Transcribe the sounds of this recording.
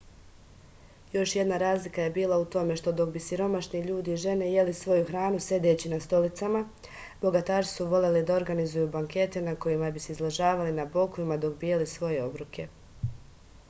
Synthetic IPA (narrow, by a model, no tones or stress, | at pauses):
jo̞ʃje̞d̪naɾaːzlikaje̞biːlˠaut̪o̞me̞ʃt̪o̞d̪o̞kbisiɾo̞maʃniʎuːd̪iːʒe̞ne̞je̞lisʋo̞juxɾaːnuse̞d̪e̞ːt͡ɕinast̪o̞lit̪sama | bo̞ɡat̪aːʃi̥suʋo̞le̞lid̪ao̞ɾɡanizujubaŋke̞t̪e̞nako̞jimabiseizlˠaʒaːʋalinabo̞kuimad̪o̞kbijelisʋo̞je̞o̞bɾukʰe̞